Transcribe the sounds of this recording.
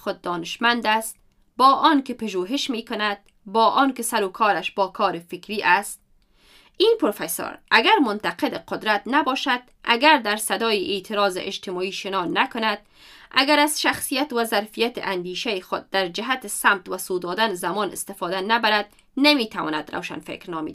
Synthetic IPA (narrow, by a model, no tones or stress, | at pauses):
xʊd̪̚ːɒːnɪʃmand̪ast̪̚ | bɒːʔɔnkɪpaʒoɦɪʃmekʊnad̪̥̚ | bɒːʔɔnkɪsaɾokʰɔːɾaʃbɒːkʰɔːɾɪfɪkɾiʔast̪̚ | inpɾofeso̰ɾaɡaɾmʊnt̪aqed̪ɪqʊd̪ɾat̪nabɒʃad̪ | ʔa̰ɡaɾd̪aɾsad̪ɒːjɪʔet̪ʰɪɾɒːzɪ̰ʔɪd͡ʒt̪ɪmɔiʃɪnɒnakʊnad̪̥̚ | a̰ɡaɾaz̥ʃaxsijat̪wazaɾfijat̪ɪ̰ʔand̪iʃajɪxʊd̪̚ːaɾd͡ʒɪɦat̪ɪsamt̪wasod̪ɔd̪anzamɔːnɪ̰st̪ɪfɒːd̪anabaɾad̪̚ | namet̪ʰawɔ̰ːna̰d̪ɾa̰wʃa̰nfḛkɾnɒmḛd̪